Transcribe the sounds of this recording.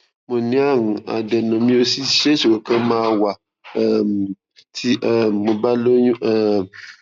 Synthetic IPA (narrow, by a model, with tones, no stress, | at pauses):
mõ˨nĩ˦a˦˨ŋũ˨a̰˨dɛ˨nɔ̃˨mĩ˦o˦si˦˨ʃe˦ʃe˨wo˨kã˦mãː˦˧wa˨˦ | tʰi˦ʔmo˨ba˦lo˦ɲũ˦ɛ˦˨